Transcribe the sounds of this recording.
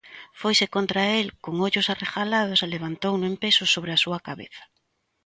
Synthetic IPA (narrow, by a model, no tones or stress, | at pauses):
fojsekont̪ɾaelkoŋoʎʊsarexalað̞ʊseleβ̞ant̪ownʊẽmpesʊsoβɾeasuɐkaβḛθḁ